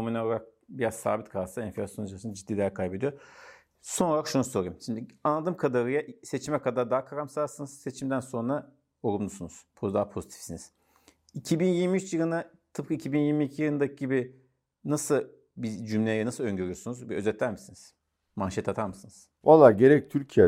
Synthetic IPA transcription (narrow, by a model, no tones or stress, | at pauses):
ominalˠaɾak̚ | biɾazsa̰ːbit̪kʰalˠsaɛnfilʲasjo̞nd͡ʒasɯnd͡ʒid̪ːiːlʲeɾkʰajbe̞d̪ijo | sonooɾakʃunuso̞ɾɯjmʃimd̪ianlˠad̪ɯmkʰad̪aɾɯjaʔse̞t͡ʃʰimɛkʰad̪aɾd̪aːkʰaɾamsasɯnɯz̥se̞t͡ʃʰimd̪ænso̞nɾa | oɾumlusunuz̥pʰod̪aːpʰo̞zit̪ʰi̥fsiniz̥ | icʰibinjiɾmijyt͡ʃjɯlˠɯna | t̪ʰɯp̚kʰɯicʰibinjiɾmiːcʰijɯɾˠɯnd̪akʰɯɟibi | nasɯ | bid͡ʒymlʲejɛnasɯlˠøɲɟø̞ɾyjo̞sunuzbiø̞zɛt̪ʰlʲæɾmisiniz̥ | manʃet̪ʰat̪ʰaɾmɯsɯnɯz̥ | valˠːaɾɟe̞ɾɛc̚t̪ʰyɾcʰijɛ